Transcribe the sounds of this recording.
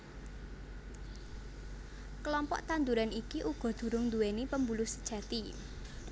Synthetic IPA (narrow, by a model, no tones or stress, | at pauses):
kəlɔmpɔ̰ʔt̪and̪uɾanikiʔuɡ̥ɔ̤d̪̥ṳɾʊŋnd̪uwenipəmbulʊsə̥d̥ʒ̥ä̤t̪i